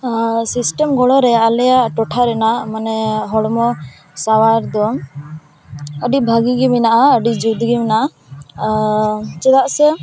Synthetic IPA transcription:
sisʈɛmɡɔɽɔɾɛalɛjaʔʈɔʈʰaɾɛnaʔmanɛɦɔɽmɔ | sawaɾd̪ɔ | əɖibʱaɡiɡiminaʔaəɖid͡ʒud̪ʱɡiminaʔa | t͡ʃɛd̪aʔsɛ

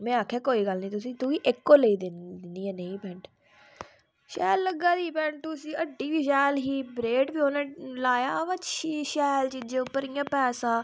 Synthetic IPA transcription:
mɛ̃ːaːkʰaːkoːiːɡəlnĩːt̪̬ʊsĩːt̪uːiːʔɪkːoːləiːd̪ɪd̪ɪnd̪iːɛ̃ːneĩːpɛ̃ːɳʈ | ʃɛːlːəɡːaːd̪iːpɛ̃ːɳʈ̪̚ʊsĩːəɖːiːʋiːʃ̬ɛːlɦiːbɾeːʈbiːoːnẽːlaːjaːʋət͡ʃːʃiːʃɛːlt͡ʃid͡ʒeʊpːəɾɪjãːpɛːsãː

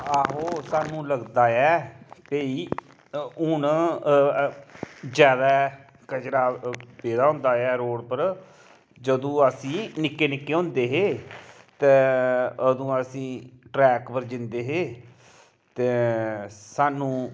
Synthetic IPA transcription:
aːɦoːsaːnũːləɡd̪aːɛːpeːiː | ʊn | d͡ʒjaːd̪aː | kət͡ʃɾaːpeːd̪aːɦʊ̃ːnd̪aːɛːɾoːɽpəɾ | d͡ʒəd̪õːəsĩːnɪkːeːnɪkːeːɦʊ̃nd̪eːɦeːt̪ɛːəd̪õːəsĩːʈɾɛːkpəɾd͡ʒɪ̃nd̪eːɦeː | t̪eː | saːnũː

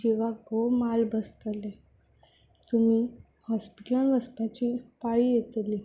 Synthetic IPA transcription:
d͡ʑeʋaɡomalbəst̪əle | t̪umi | hɔspiʈlaɳʋəsp̪at͡ɕipaɭijet̪li

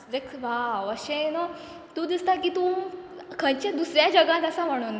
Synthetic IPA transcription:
ɾeksʋaʋəɕẽna | t̪ũd̪ist̪akit̪ũkʰə̃nt͡ɕãd̪usɾjad͡ʑəɡãt̪əsam̤əɽ̃un

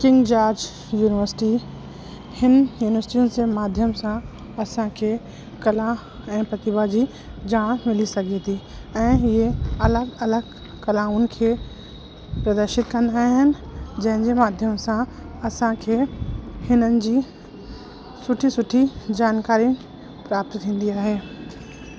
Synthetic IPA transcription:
kɪ̃ŋɡd͡ʑaːɾd͡ʑ | juːnɪʋəɾsɪ̥ʈi | hɪnjuːnɪʋəɾsʈiʊnsemaːd̪ʱjəmsã | ɐsãkʰe | kɐla | ɛ̃ːpɾɐt̪ɪbad͡ʑi | d͡ʑaːɽ̃mɪlisɐɡʱet̪ʰi | ɛ̃ːieɐləɡɐləɡ | kɐlaːmʊnɪ̆kʰeː | pɾɐd̪əɾʃɪt̪kɐ̃nd̪aːɦɪnɪ̆d͡ʑɐ̃ɦɪ̃nd͡ʑemaːd̪ʱjəmsãɐsãkʰehɪnənɪ̆d͡ʑiː | sʊʈʰisʊʈʰid͡ʑaːnkaːɾĩ | pɾaːp̚t̪k̪ʰĩːn̆d̪iaːɦeː

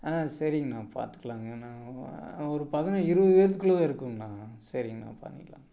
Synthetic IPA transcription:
aːsɐɾɪŋɡɐnãːpa̰ːɾt̪ɯ̥kːɐlaːŋɐnãː | ɔɾɯpɐðɐnɐ̃ɪɾɯʋɐɯʋeːɾt̪̬ːɯkːɪɭoːɐɪɾɯkːɯŋɐnãːsɐɾɪŋɡɐnã̰ːpɐ̰ːnːɪ̰kːɐlã̰ː

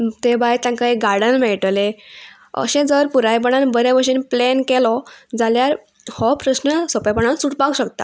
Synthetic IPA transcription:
t̪ebajt̪jãŋkaeɡaɾɽənmɛɭʈle | ə̰ɕẽd͡zəɾpuɾajp̬əɳ̃anbəɾjaʋəɾɕiːnplenkɛlɔd͡zaljaɾ | hɔpɾəɕnəsɔpajpəɳ̃ansuʈpakuɕəkt̪a̰

